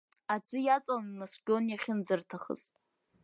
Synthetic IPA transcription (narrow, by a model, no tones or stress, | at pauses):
ad͡ʒʷʼɨjat͡sʼalnasʷɡʲonjaχʲɪnd͡zɨrtʰaχə̰ztʼ